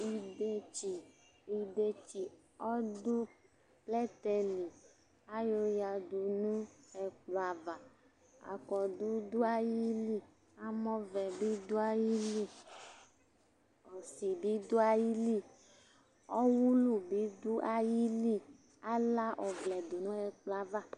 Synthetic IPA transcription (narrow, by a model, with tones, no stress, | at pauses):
i˨de˦t͡ʃi˨ | i˨de˨t͡ʃi˨ | ɔ˦du˦ | plɛ˦t̪ɛ˨li˨ | a˦jo˦ja˨du˨nũ˦ɛ˨k͡plo˨a˨va˨ | a̰˨kɔ˨d̪u˦d̪u˦a˦ji˦li˦ | a˦mɔ̃˦vɛ˨bi˦d̪u˦a˦ji˦li˦ | ɔ˨si˨bi˦d̪u˦a˦ji˦li˦ | ɔ˦wu˦lu˨bi˦d̪u˦ʔa˦ji˦li˦ | a˦la˦ʔɔ˨vlɛ˨du˨nũ˦ɛ˨k͡plɔ˦˨a˨va˦˨